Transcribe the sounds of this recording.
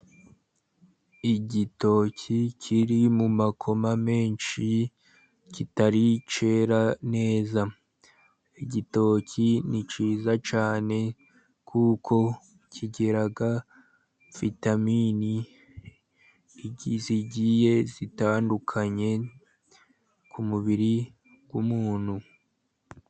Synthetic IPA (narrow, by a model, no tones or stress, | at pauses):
iɟito̞cʰicʰiɾimumakʰo̞mame̞ːnʃi | citaɾit͡ʃe̞ɾane̞ːza | iɟito̞cʰinit͡ʃiːzat͡ʃaːne̞ | kʰuːkʰo̞ | cʰiɟe̞ɾaɡa | fitamiːni | iziɟije̞zitaːndukʰaɲe̞ | kʰumuβiɾi | ɡ̥umuːn̥hu